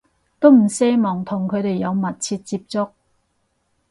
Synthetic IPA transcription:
t̪o˥wm̩˨˩sɛː˥mɔː˨˩ŋt̪ʰʊ˨˩ŋkʰɵ˨˧ɥt̪e˨˩jːɐ˨˧wmɐ˨t̚t͡sʰiː˧t̚t͡siː˧p̚t͡sʊ˥k̚

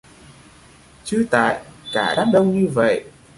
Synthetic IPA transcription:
t͡ɕɨ˨˦t̪a̰ː˧˨jkaː˧˩ɗaː˦˥p̚ɗə˧wɲɨ˧və̰˧˨j

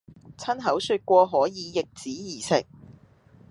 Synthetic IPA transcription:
t͡sʰɐ˥nɦɐ˨˥wsyː˧t̚kʷɔː˧ɦɔː˨˥jiː˨˧jɪ˨k̚t͡siː˨˥jiː˨˩sɪ˨k̚

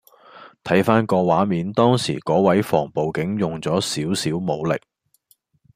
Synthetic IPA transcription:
t̪ʰɐ˨˥jfaː˥nkɔː˧waː˨˥miː˨˥nt̪ɔː˥ŋsḭː˨˩kɔː˨˥wɐ˨˥jfɔ̰ː˨˩ŋpo˨wkɪ˨˥ŋjʊ˨˩ŋt͡sɔː˨˥siː˨˥wsiː˨˥wmo˨˧wlɪ̰˨˩k̚

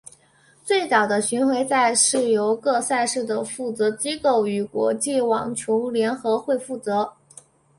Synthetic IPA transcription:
t͡swe˥˩ɪt͡sɑ˨˩ʊd̪ə˦ɕy˧˥nxwe˧˥ɪsa˥˧ɪʂɻ̩˥˩jo˧˥ʊkɤ˥˧sa˥˧ɪʂɻ̩˥˩d̪ə˩fu˥˩t͡sɤ˧˥t͡ɕi˥ko˥˩ʊy˨˩kwɔ̰˧˥t͡ɕi˥˩wɑ̰˨˩ŋt͡ɕʰjo˧˥ʊljɛ˧˥nxɤ˧˥xwe˥˧ɪfu˥˩t͡sɤ˧˥

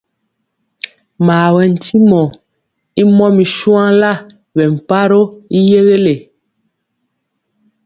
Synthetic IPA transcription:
maː˨wɛ˨n̩˨tʰi˦mɔ˨ | i˦mɔ˦mi˨ʃwã˦la˦˨ | βɛ˨m̩˨pa˦ɾo˦i˦je˦ɣe˦le˨

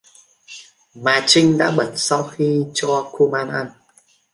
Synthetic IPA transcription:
maː˨˩t͡ɕï˧ŋ̟ɗa̰ː˧˥ɓə˧˩nsa˧wxi˧t͡ɕɔ˧ku˧maː˧nʔa˧n

